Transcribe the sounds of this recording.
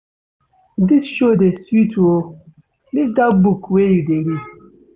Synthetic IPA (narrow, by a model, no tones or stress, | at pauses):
disʃodesutʰwo | lidabukwejudeɾi